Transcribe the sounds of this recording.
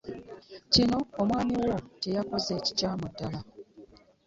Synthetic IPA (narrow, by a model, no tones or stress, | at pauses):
cino̞ːmwaːmiwoce̞jakoze̞ːci̥caːmudːala